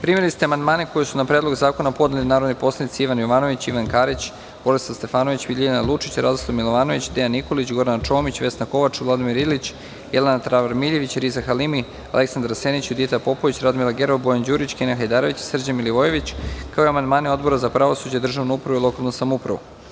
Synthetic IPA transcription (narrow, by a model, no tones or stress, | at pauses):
pɾimeɾlist̪ɛamand̪maːneko̞jesunapɾed̪lo̞ɡzaːko̞napo̞d̪nelinaːɾod̪nipo̞slˠanit̪siiʋanjoʋaːno̞ʋit͡ɕiʋankaɾit͡ɕ | b̥o̞ɾesast̪e̞faːnoʋit͡ɕbilʲianalˠut͡ʂit͡ɕɾa̰d̪oslˠamilˠoʋaːno̞ʋit͡ɕd̪ejanːiko̞lit͡ɕɡo̞ɾant͡ʃo̞ːmit͡ɕʋe̞snako̞ʋat͡ʂvlˠad̪imiɾilit͡ɕ | jelenat̪ɾaʋaɾmiʎe̞ʋit͡ɕɾizaxalimi | a̰le̞ksand̪ɾasenit͡ɕud̪it̪apo̞po̞ʋit͡ɕɾad̪milaɡeɾbo̞jand͡ʑuːɾit͡ɕkenaxajd̪aːɾoʋit͡ɕsr̩d͡ʑamiliʋoje̞ʋit͡ɕkaoiamand̪maːneo̞d̪bo̞ɾazapɾaʋosud͡ʑad̪r̩ʒaʋnuupɾaʋuilˠo̞kalˠnusamoupɾa̰ʋṵ